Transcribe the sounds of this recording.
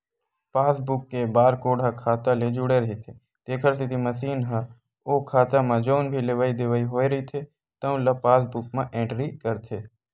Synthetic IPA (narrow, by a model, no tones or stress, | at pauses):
paːsbʊkːebaːɾkoːɽʱakʰaːt̪aled͡ʒʊɽeɾɐɦit̪ʰe | t̪eːkʰəɾsɪt̪ʰimɐsiːnɦã | oːkʰaːt̪amãd͡ʒoːnbʱileʋaːid̪ɪʋaːiɦoːeɾɐɦit̪ʰe | t̪ɐũlɐpaːsbʊk̚mãʔẽːɳʈɾikəɾt̪ʰeː